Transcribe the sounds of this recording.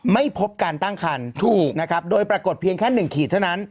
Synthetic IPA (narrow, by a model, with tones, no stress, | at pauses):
ma˥˩jpʰo˦˥p̚kaː˧nt̪a˥˩ŋkʰa˧nt̪ʰuː˨˩k̚na˦˥kʰa˦˥p̚doː˧jpɾa˧ko˨˩t̪̚pʰi˧əŋkʰɛ˥˩nːɯ˨˩ŋkʰiː˨˩t̪ʰa˥˩wna˦˥n